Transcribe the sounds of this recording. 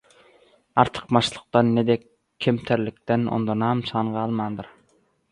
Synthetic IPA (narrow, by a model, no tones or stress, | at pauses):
ɑɾt̪ʰə̥qmɑʃlˠəq̚t̪ɑnːed̪ɛkʲʰː | emt̪ʰæɾlɪk̚ʲt̪ɛno̰nd̪ɑnɑmsʰɑɴʁɑːlˠmɑnd̪ɨɾ